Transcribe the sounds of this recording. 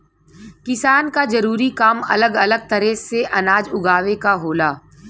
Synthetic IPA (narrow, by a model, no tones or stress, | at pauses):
kɪsaːnkad͡ʒɐɾuːɾikaːmɐ̰ləɡɐləɡ̚t̪ɐɾɛseʔɐnaːd͡ʒʊɡʱaːʋekaɦoːlaː